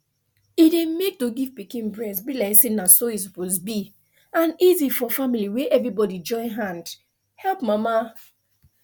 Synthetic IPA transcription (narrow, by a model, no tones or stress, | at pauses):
idemek̚toɡivpikĩnbɹɛ̃nsbilaɪksinasois̬ɔpozbi | ãnizifɔfamiliweʔɛvɹibɔdid͡ʒɔ̃ɪ̃nɦãnd | hɛlpmama